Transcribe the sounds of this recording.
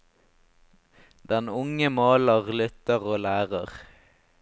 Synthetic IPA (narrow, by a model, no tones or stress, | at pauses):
d̪ɛnʊŋəmɑːləʁlʏt̪əʁoːlæːʁəʁ